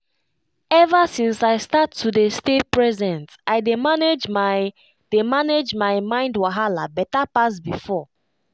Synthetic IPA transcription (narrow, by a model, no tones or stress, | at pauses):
ɛvasĩnsaɪstatʰːudestepɹɛzɛ̃ntaɪdemaned͡ʒma | d̥emaned͡ʒmaɪmãɪ̃ndwaɦalabɛtapasbifɔ